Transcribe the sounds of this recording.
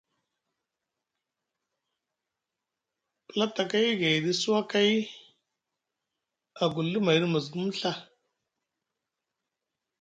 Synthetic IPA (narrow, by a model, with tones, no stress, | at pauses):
pə˨la˦ta˨ka˦i˦ɡa˨jdi˦su˦a˦ka˦ji˦ | a˨ɡu˨lːu˦ma˨ji˦ɾmə˨zɡu˦m˦ɬa˦